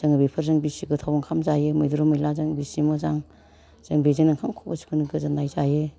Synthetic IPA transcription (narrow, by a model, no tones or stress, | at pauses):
z̥ɯŋbepʰɐɾzɯŋbisiɡɯtʰawaŋkʰamzajemɔjduɾɔmɯjlazaŋbisimɯzaŋ | z̥ɯŋbezinaŋkʰamkʰɔbasi̥kʰuniɡɯzanajzaje